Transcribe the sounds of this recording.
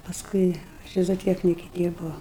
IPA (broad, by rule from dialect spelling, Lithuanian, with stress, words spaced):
pɐsˈkʊɪ ˈt͡ʃʲɪ zoːˈtʲiɛknʲɪkʲɛ ˈdʲiːrbɐʊ